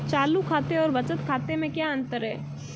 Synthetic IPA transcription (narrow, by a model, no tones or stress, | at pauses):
t͡ʃaːlukʰaːt̪eɔːɾbɐt͡ʃət̪kʰaːt̪emẽkjaə̃nt̪əɾɦɛː